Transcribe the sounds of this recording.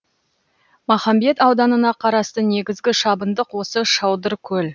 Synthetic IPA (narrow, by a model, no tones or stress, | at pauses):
mɑχɑmbe̞t̪ɑwd̪ɑnənɑqʰɑɾɑst̪əne̞ɡʲɪzɡʲɪʃɑbənd̪əqwo̞səʃɑwd̪əɾkʲʰɵl